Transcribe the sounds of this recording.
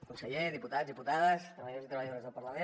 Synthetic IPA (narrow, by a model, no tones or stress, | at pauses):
kunsəʎeðiput̪ad͡zzðiput̪aðəst̪ɾəβəəðosit̪ɾəβəjəðoɾzðəlˠpəɾləme